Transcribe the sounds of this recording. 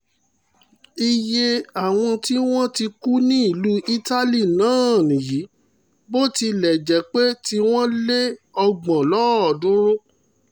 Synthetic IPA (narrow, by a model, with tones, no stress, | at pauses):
i˧je˧a˨w̃ɔ̃˧ti˦w̃ɔ̃˦ti˧ku˦nĩ˦i˦˨lu˦i˦ta˦li˦˨nãː˨˦˨nĩ˨ji˨˦ | bo˦ti˧lɛ˨d͡ʒɛ˨˦k͡pe˦ti˦w̃ɔ̃˦le˦ɔ˧ɡ͡bɔ̃˨lɔ˦ɔ˨dũ˨˦ɾo˦